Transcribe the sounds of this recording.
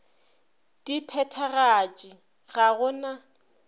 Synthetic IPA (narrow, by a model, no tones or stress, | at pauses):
d̥ipʰɛtʰaɣat͡ʃʼi | ɣaɣʊna